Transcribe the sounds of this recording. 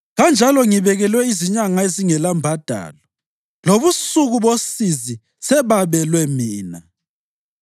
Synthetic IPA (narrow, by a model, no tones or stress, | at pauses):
ɣand͡ʒʱalɔŋiβɛɣɛlwɛiziɲaŋaeziŋɛlambʱad̥ʱa̰ːlɔ | loβusuɣuβosizi | sɛβaβɛlwɛmiːna